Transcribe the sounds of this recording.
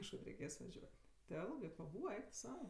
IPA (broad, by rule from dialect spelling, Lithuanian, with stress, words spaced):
kɐʃˈkɐt rʲɛɪˈkʲeːs ʋɐˈʒʲuɔtʲ tʲɪ ˈɛlˠɡɜ pɐˈbuːʋɐ ˈɛɪk tʊ ˈsɐʊ